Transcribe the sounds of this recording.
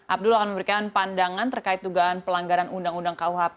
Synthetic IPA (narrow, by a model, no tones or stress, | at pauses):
ʔap̚dulakanməmbəɾikanpandaŋant̪ərkait̪ːuɡaɦanpəlaŋɡaɾanundaŋundaŋkauɦap̚